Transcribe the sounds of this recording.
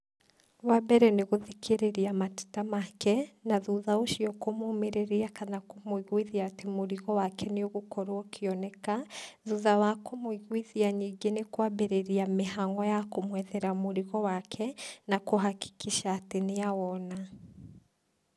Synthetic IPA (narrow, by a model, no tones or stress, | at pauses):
wabɛɾɛneɣoðikʰeɾeɾiamate̥tamakɛnaðuðaoʃiɔkomomeɾeɾiakanakomoiɣwiðiaːtemoɾiɣɔwakʰɛneoɣokɔɾookʰeɔnɛkaðuðawakomoiɣwiðiaɲiːŋɡenekwabeɾeɾiamehaŋɡɔjakomwɛðɛɾamoɾiɣɔwakʰɛnakoɦaki̥kiʃaːteneawɔna